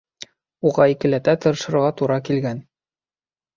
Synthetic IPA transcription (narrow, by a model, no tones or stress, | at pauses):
uʁɑikɘ̆læt̪æt̪ŏɾɤ̆ʃɤ̆ɾʁɑt̪uɾɑkilɡæn